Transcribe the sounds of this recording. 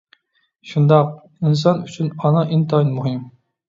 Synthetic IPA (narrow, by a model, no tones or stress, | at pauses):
ʃund̪ɑq̚ | ins̬ɑnyt͡ʃʰynɑnɑʔint̪ɑinmuɦɨm